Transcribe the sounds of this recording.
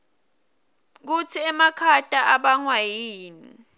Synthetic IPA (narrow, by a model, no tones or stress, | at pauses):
k̬ut͡sʰiɛmakʰatʼaʔaɓaŋwajiːni